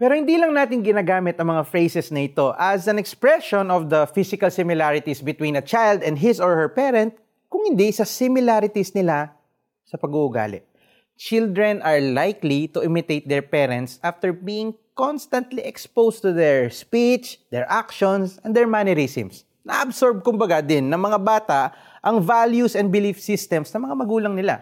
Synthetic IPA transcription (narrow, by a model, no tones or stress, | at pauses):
pɛːɾohɪnd̪iːlɐŋnaːt̪ɪŋɡɪnaːɡaːmɪt̪ɐŋmɐŋafɹejsɛsnɐʔɪt̪o̞ʔɐsɐ̃nɛkspɹɛʃɔnɔfd̪ɐfisɪkɐlsɪmɪlaɹɪt̪isbɪt̪wĩːnɐt͡ʃajld̪ɛ̃nd̪ɦɪsɔɹhɛɹpɛɾɛ̃nt̪̚ | kʊŋhɪnd̪isɐsɪmɪlaɾɪt̪isnɪla | sɐpɐɡuʔʊɡa̰lɪ̰ʔ | t͡ʃɪld̪ɹɛnʔɐɹlajklit̪ʊʔɪmɪt̪ejt̪̚d̪ɛɹpɛɾɛ̃nt̪sʔaft̪ɛɹbiːɪ̃ŋkonst̪ɐnt̪liʔɛkspowst̪ʊd̪ɛɹspit͡ʃd̪ɛɹʔakʃɔnsɛ̃nd̪ɛɹmaniɾisɪ̰̃ms | nɐʔʔɐbsoɹb̚kʊmbɐɡad̪ɪnːɐŋmɐŋabaːt̪aʔ | ʔɐŋvaljusɛ̃n̚bɪlifsist̪ɛmsnɐmɐŋamɐɡuːlɐŋnɪla̰